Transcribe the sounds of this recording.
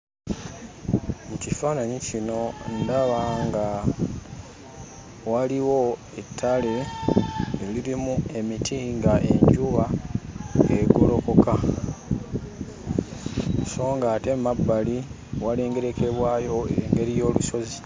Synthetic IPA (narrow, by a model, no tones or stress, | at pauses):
mucifaːnaɲicino̞ndaβaŋɡa | waliwo̞ | etʰːale̞ː | liɾimue̞mitʰiːŋɡaʔe̞̰ɲɟuβa | eɡolo̞ko̞ka | so̞ːŋɡaːte̞mabːali | wale̞ːŋɡe̞ɾe̞kʰe̞βwaːjo̞eŋɡe̞ɾijo̞ːluso̞zi